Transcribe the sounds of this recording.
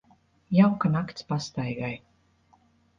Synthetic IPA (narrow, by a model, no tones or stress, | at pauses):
jawkanakt̪spast̪ajɡaj